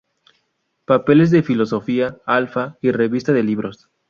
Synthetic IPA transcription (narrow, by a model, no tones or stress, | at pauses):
pape̞le̞zðe̞filo̞so̞fiaalfaire̞βist̪aðe̞liβɾo̞s